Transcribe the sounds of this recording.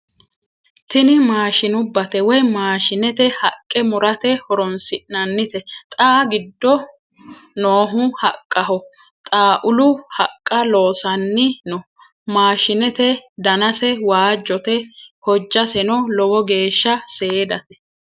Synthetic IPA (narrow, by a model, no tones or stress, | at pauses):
t̪ɪnɪmaːʃɪnʊbːɐt̪ɛwɔjmaːʃɪnɛt̪ɛhɐkʼːɛmʊɾɐt̪ɛhɔɾɔnsɪʔnɐnːɪt̪ɛt̪ʼaːɡɪd̪ːɔ | noːɦʊhɐkʼːɐɦɔ | t̪ʼaːʔʊlʊhɐkʼːɐlo̞ːsɐnːɪnɔ | maːʃɪnɛt̪ɛd̪ɐnɐsɛwaːd͡ʒːɔt̪ɛhɔd͡ʒːɐsɛnɔlɔwɔɡe̞ːʃːɐseːd̪ɐt̪ɛ̥